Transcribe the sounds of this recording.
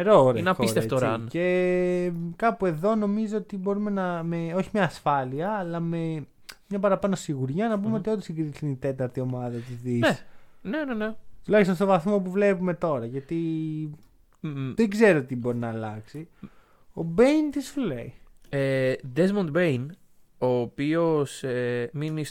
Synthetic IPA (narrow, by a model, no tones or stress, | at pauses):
eɾoɾenɐoisɾt̪eft̪oɾɐnce̞ | kɐpue̞ðo̞no̞mizoot̪ibo̞ɾume̞nɐmeo̞çimɲɐːsfɐliɐːlɐme | mɲɐpɐɾɐpɐno̞siɣuɾʝɐnɐp̬umeot̪iot̪isiŋɡɾit̪isineit̪e̞t̪ɐɾt̪io̞mɐðɐt̪izðinenenenet̪ulɐçist̪onst̪o̞vɐθmopuvle̞pume̞t̪o̞ɾɐʝɐt̪i | ðeɡze̞ɾot̪ibo̞ɾinɐːlɐksi | o̞bejnt̪isfulḛjed̪ezmont̪ben | oːpio̞seminis